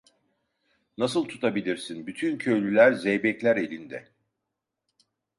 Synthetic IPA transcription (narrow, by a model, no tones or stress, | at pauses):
nasɯlˠt̪ʰut̪ʰabilʲiɾsinbyt̪ʰyncʰø̞jlʲylʲæɾzɛjbɛclʲæɾe̞lʲind̪ɛ